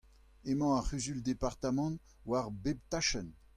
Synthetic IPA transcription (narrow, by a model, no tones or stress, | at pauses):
emɑ̃aʁyzyld̪epaʁt̪amɑ̃ | waʁbeb̚t̪aʃən